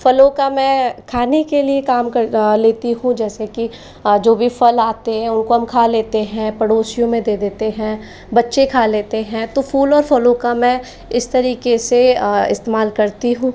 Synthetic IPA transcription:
fɐloːkamɛ̃ːkʰaːnekeliekaːmkɐleːt̪iɦũd͡ʒɛːseki | d͡ʒoːbʱifɐlaːt̪eɦɛ̃ʊnkoɦɐmkʰaːleːt̪eɦɛ̃pɐɽoːsijõmẽd̪eːd̪eːt̪eɦɛ̃ | bɐtːʃekʰaːleːt̪eɦɛ̃t̪ofʰuːlɔːɾfɐloːkamɛ̃ | ɪst̪ɐɾiːkeseɪ̰st̪eːmaːlkɐɾt̪iɦũː

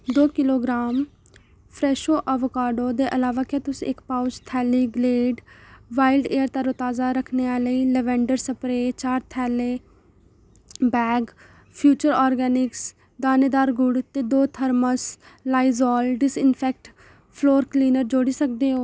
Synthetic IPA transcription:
d̪oːkɪloːɡɾaːm | pʰɾɛːʃoːʔəʋkaːɖoːd̪eːʔəlaːʋaːkaːt̪ʊsiːɪkpaːʊt͡ʃt̪ʰɛːliːɡleːɖʋaːɪlɖeːəɾt̪aɾoːt̪aːzaːɾəkʰneːaːləiːlɛʋɛ̃ːɳɖəɾsəpɾeːt͡ʃaːɾt̪ʰɛːleː | bɛːɡ | pʰjuːt͡ʃəɾɔːɾɡɛːnɪks | d̪aːneːd̪aːɾɡʊɽt̪eːd̪oːt̪ʰəɾməslaːizɔːlɖɪsɪnpʰɛːk̚ʈ | pʰloːɾkliːnəɾd͡ʒoːɽiːsək̚d̪eːɦoː

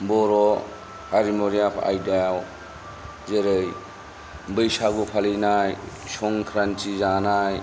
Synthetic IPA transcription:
bɔɾɔ | haɾimɔɾijapʰa̰jdaw | zeɾɯj | bɯjsaɡupʰalinaj | sɔŋkʰɾantizanaj

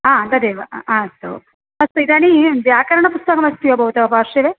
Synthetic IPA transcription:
aːnd̪ɐd̪eːʋɐaːst̪o̰ | ɐst̪ɐid̪aːniʋjaːkɐɾɐɳɐpust̪ɐkɐmɐst̪uʋɐbʱɐwut̪ɐʋɐpaːɾʂiʋeː

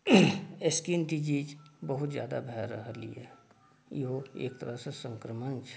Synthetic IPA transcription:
ɪskint̪id͡ʒiːd͡ʒbəɦʊt̪zja̰ːd̪a̰bʱɛːɾə̰ɦlḭɛ̰ː | jeɦoḛːk̚t̪əɾəsesə̃ŋkɾəmənt͡ʃʰ

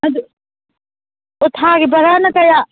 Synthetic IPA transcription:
ɐd̪ | ʊt̪ʰaːkibɐɾaːnɐkɐjaː

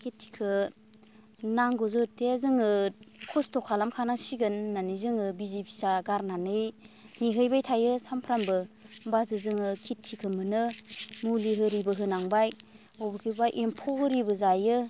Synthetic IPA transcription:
kʰitʰːi̥kʰɯ | naŋɡɔzɯɾtʰezɯŋɯkʰɔstʰɔkʰalamkʰanasiɡɯnːanizɯŋɯbizipʰi̥saɡaɾnanɯjniɦɯjbajtʰajɯsampʰɾambɯbazɯzɯŋɯkʰitʰːikʰɯmɯnɯmuliɦɯɾibɯɦɯnaŋbaj | ɔwbɯkʰibajʔempʰɔhɯɾibɯzajɯ

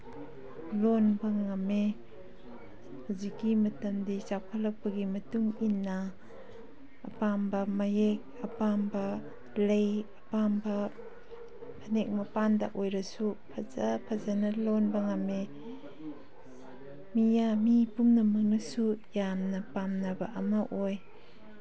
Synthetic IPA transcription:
lonbɐŋamːe | hazikːimɐtɐmdit͡ʃawpʰalɐk̚pɐɡimɐtuŋinːɐ | pambɐmɐjek̚ɐpambɐ | lejɐpambɐ | pʰɐnek̚mɐpanda̰ʔojɾɐsupʰɐzɐpʰɐzanɐlonbɐŋame | mijamipumnɐmɐk̚nɐsujamnɐpamnɐbɐʔɐmɐʔoj

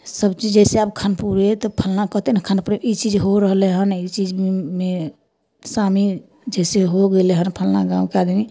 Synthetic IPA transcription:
səbt͡ʃid͡ʒd͡ʒɛseabkʰanpuɾet̪ɔpʰəlnakət̪enekʰanpuɾeit͡ʃid͡ʒɦoɾəɦleɦənit͡ʃid͡ʒme | sami | d͡ʒɛseɦoɡeleɦənpʰəlnaɡãwkead̪ni

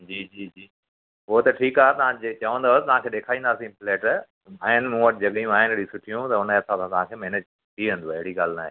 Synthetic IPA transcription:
d͡ʑiːd͡ʑiːd͡ʑiː | ɦot̪ɐʈʰiːkaːɦet̪ɐʋãet͡ɕɐʋə̃nd̪ot̪ɐʋãkʰeːɗeːkʰaːĩːnd̪aːsĩpleːʈ | aːɦɪnɪ̆mũʋɐʈʰɪd͡ʑɐɠijũaːɦɪnɪɽĩsʊʈʰijũt̪ɐʊneɐsʰãsãt̪ɐʋ̤ãkʰeːmeːned͡ʑ | t̪ʰiʋẽːnd̪uɐɦɪɽiɠaːlnaːɦeː

